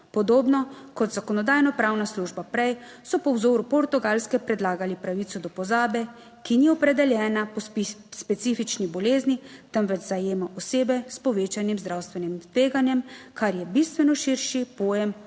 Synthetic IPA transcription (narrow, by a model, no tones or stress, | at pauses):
pɔd̪oːbnɔkɔt̪zakɔnɔd̪aːjnɔpɾaːwnasluːʒbapɾɛjsɔpɔwzoːɾupɔɾt̪uɡalskɛpɾɛd̪laːɡalipɾaʋit̪sɔd̪ɔpɔzaːbɛ | kiniɔpɾɛd̪ɛljɛːnapspɛt̪siːfit͡ʃnibɔleːznit̪əmʋɛt͡ʃzajeːmaʔɔseːbɛspɔʋeːt͡ʃanimzd̪ɾawst̪ʋɛnimt̪ʋeːɡanjɛmkaɾjɛbist̪ʋɛnɔʃiɾʃipoːjɛm